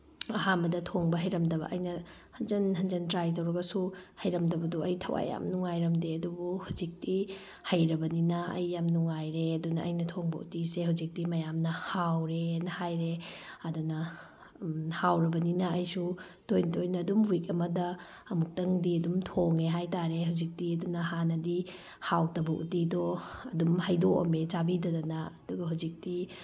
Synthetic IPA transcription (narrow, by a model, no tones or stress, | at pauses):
ɐɦambɐdɐtʰoŋbɐɦɐjɾɐmdɐβɐ̰ʔɐjnɐhɐnd͡ʒɐnɦɐnd͡ʒɐntɾajt̬ɐwɾɐɡɐsuhɐjɾɐmdɐbɐduɐjtʰɐwa̰jːa̰mnuŋajɾɐmdeɐdubuhuzik̚ti | hɐjɾɐbɐninɐɐ̰jːamnuŋajɾeɐdunɐʔɐ̰jnɐtʰoŋbɐʔṵtisehawzik̚timɐjamnɐhawɾenɐhajɾeɐdunɐ | hawɾɐbɐninɐɐjsu | tojntojnɐːdumwik̚ɐmɐdɐː | muk̚tɐŋdiɐdumtʰoŋeɦajtaɾeɦawzik̚tiɐdunɐɦanɐdi | hawtɐbɐʔṵtidɔɐdumhɐjdokɐ̰met͡ʃabidɐdɐnɐɐduɡɐɦawzik̚ti